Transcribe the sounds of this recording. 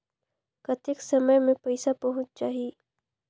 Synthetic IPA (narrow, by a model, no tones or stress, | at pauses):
kɐt̪ɪksɐməjmẽpɐɪsapɐɦʊ̃t͡ʃt͡ʃaːɦie